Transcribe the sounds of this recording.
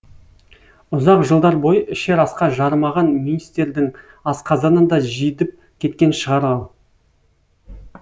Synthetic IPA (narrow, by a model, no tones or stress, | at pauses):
ʊzɑqʒəlˠd̪ɑɾbo̞jəɪʃe̞ɾɑsqɑʒɑɾmɑʁɑnminist̪eɾd̪ɪŋ | ɑsqɑzɑnənd̪ɑʒijd̪ɪp̚ | kʲʰe̞t̪kʲe̞nʃəʁɑɾɑlˠ